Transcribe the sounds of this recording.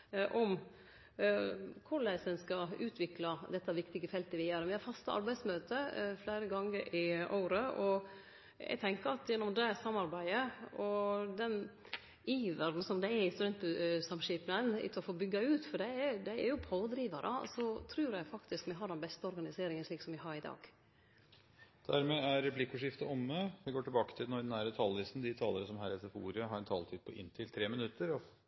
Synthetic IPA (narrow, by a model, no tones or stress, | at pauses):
ʔɔm | kʰʊɭæɪsənskɑʉːt̪ʰʋɪklɑd̪ɛt̪ːɑʋɪkt̪ɪɡəfɛlt̪əʋɪjæːɾʋɪhɑɾfɑst̪əʔɑ̰ɾbæɪsmøːt̪əflæɪɾəɡɑŋːəɾʔɪʔo̰ːɾəʔɔ | ɛ̰ɪɡt̪ʰɛŋkəɾɑt̪jɛnːɔmd̪ɛsɑmːɑɾbæɪəʔɔd̪ɛn | iːʋæɾn̩sɔmd̪ɛɛɾɪnst̪ɾɛnt̪̚bʉsɑmʂiːpnənɪ̰t̪ʰɔfoːbʏɡːɑʉːt̪fɔɖɛd̪ɛæɾjʊpʰoːd̪ɾiːʋɑɾʔə̰sɔt̪ʰɾʉːɾɛɪfɑkt̪ɪskmɛɦɑɖɛnbɛst̪əɔɾɡɑnɪseːɾɪŋənʂɭiːksɔmʋɪɦɑɾɪd̪ɑ̰ːɡ̥ | d̪̥æɾmɛːæɾːɛpʰlɪkːʊːʂɪft̪əɔmːəʋɪɡoːʈɪlbɑːkət̪ʰɪlnɔɾd̪ɛnæːɾət̪ʰɑːlʋɪsn̩d̪ɪt̪ʰɑːləɾəsɔmhæːɾɛsɛfṵːɾɪəɦɑɾɛnt̪ʰɑ̰ːlt̪ʰiːd̪̚pʰɔʔɪ̰nt̪ʰɪlt̪ʰɾeːmɪnʉt̪ːəɾɔ